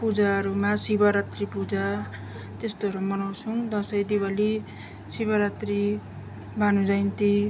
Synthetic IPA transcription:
pud͡zaʌɾumasibaɾat̪ripud͡za | t̪est̪oʌɾumʌnaw̃sʰuŋd̪ʌsʌjd̪ibali | sibaɾat̪ri | bʱanud͡zʌjnt̪i

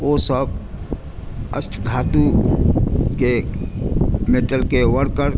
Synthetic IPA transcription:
oːsəb̚ | əst̪ʰd̪ʱaːt̪u | ke | meʈəlkewəɾkəɾ

